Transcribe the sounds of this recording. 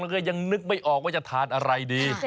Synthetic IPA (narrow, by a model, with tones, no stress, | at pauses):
ŋla˥˩˥ja˧ŋnɯ˦˥k̚ma˥˩jʔɔː˨˩k̚waː˥˩t͡ɕa˨˩t̪ʰaː˨˦nʔa˧ɾa˧jdiː˧